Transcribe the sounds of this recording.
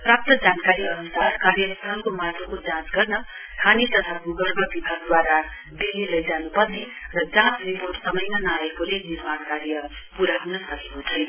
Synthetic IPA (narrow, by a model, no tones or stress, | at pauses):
prap̚t̪ʌd͡zankaɾiʌnusarkaɾjʌst̪ʌlkomat̪ʰokod͡zãt͡sɡʌrnʌ | kʰanit̪ʌt̪ʰaɡuɡʌrbʌbibʱaɡ̚d̪waɾa | d̪ilːilʌjd͡zanupʌrne | rʌd͡zãt͡sriporʈsʌmʌjnanʌaekolenirmaɽkarjʌ | puɾaɦunʌsʌkekot͡sʰʌj